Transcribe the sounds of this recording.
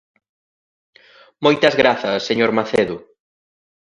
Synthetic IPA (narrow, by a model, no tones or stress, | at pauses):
mojt̪ɐzɣɾaθɐsːeɲoɾmaθeðʊ